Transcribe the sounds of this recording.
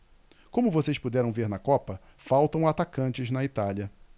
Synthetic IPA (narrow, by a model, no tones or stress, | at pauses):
kõmʊvosejspud̪ɛɾɐ̃w̃veɾnɐkɔpɐ | fawt̪ɐ̃w̃at̪akɐ̃nt͡ʃɪznɐit̪aljɐ